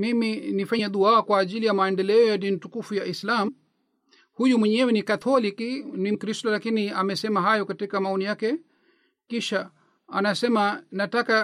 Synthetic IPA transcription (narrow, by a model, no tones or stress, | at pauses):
miminifaɲɛɗuaakwaːʄilijamaɛndɛlɛɔjadin̩tukufujaʔislam̩ | hujumwɛɲɛwɛnikat̪ʰɔlikinim̩kɾistɔlakiniamɛsɛmaɦajɔkatikamaɔnijakɛ | kiʃa | a̰nasɛmanataka